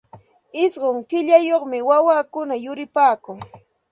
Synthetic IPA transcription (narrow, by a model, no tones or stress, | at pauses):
ɪsɢoŋkɪʎajoχmɪwawaːkʊnajʊɾɪpaːkʊŋ